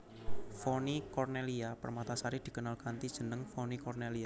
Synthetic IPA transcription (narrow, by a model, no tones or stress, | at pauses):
fonikɔrneliapə̰rmat̪asaɾid̪̥i̤kənalkant̪id̥ʒ̥ə̤nəŋfonikɔrnelia